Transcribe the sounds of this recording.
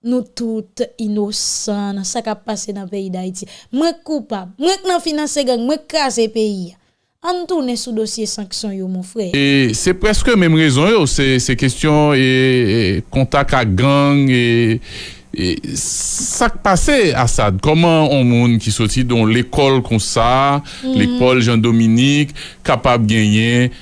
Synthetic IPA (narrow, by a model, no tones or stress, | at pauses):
nũt̪ut̪inosãnɐ̃sakapːasenɐ̃peid̪aitimwɛ̃kːupab̚mwɛ̃k̚nɐ̃finɐ̃seɡãŋmwɛ̃klazepeia | ãnt̪unɛ̃sud̪osjesãksjɔ̃jomɔ̃fɣɛesɛpʁɛskəmɛ̃mʁezɔ̃josɛsɛkestjɔ̃e | kɔ̃t̪akak̚ɡɐ̃ŋe | e | sak̚paseasad̪̚kɔmɐ̃õmũnkisɔtid̪ɔ̃lekɔlkɔ̃sa | lekɔlʒãd̪ominikː | apab̚ɡɛ̃jɛ̃